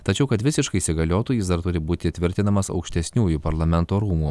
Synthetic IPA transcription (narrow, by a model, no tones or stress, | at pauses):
t̪ɐt͡ʃʲɛʊkɐt̪ʋʲɪsʲɪʃkɐɪsʲɪɡɐlʲoːt̪oːjɪsd̪ɐɾt̪ʊɾʲɪbuːt̪ʲɪt̪ʲʋʲɪɾʲt̪ʲɪnɐmɐsɐ̰ʊkʃʲt̪ʲɛsʲnʲuːjupɐɾlˠɐmʲɛnt̪oːɾuːmuː